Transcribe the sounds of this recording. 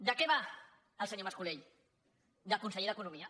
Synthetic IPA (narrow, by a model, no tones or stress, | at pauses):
d̪əkɛβa | əlˠsəɲoməskuleʎ | d̪əkunsəʎeðəkunumiə